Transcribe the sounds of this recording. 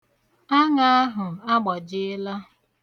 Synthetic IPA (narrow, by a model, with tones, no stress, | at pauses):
a˦ŋa˦a˦ɦʊ˨a˦ɡ͡bɔ˨d͡ʒɪ˦ɪ˦la˦